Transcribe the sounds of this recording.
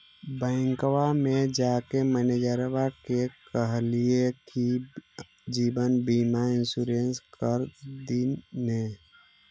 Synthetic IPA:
bə̃ŋkwamed͡ʒakeməned͡ʒəɾbakekəɦlieki | d͡ʒibənbimaɪnsuɾenskəɾd̪ine

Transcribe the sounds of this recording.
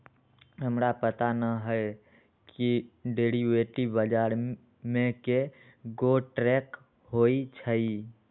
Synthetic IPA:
ɦəmɾapət̪anəɦəe | kiɖeɾiʋeʈibəd͡ʒaɾ | mẽke | ɡoʈɾɛk | hoit͡ʃʰəi

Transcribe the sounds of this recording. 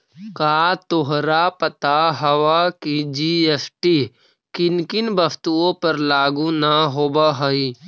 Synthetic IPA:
kaːt̪oɦɾapət̪aɦəwakid͡ʒiːesʈi | kɪnkɪnbəfʰt̪uõpəɾlaːɡunaɦoːbaɦəi

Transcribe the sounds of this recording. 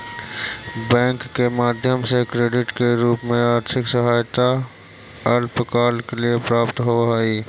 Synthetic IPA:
bɛ̃ːŋkːemaːd̪ʱjəmsekɾeːɖɪʈkeɾuːpmẽaːɾt̪ʰɪksəɦaːjt̪a | əlpəkaːlkeliepɾaːpt̪ɦoɦaːiː

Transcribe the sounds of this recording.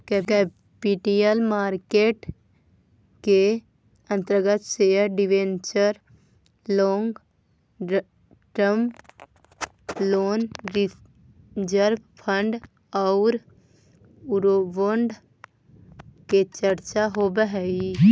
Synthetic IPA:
kɛkɛ | piʈielmaːɾkeːʈ | ke | ə̃nt̪əɾəɡət̪seəɾɖɪʋẽːnt͡ʃəɾ | lɔːŋɡ | ʈəm | loːnɾi | d͡ʒəɾbpʰə̃ɳɖ | ɔʊɾ | uɾoboɳɖ | ket͡ʃəɾt͡ʃaɦobəɦɛɡi

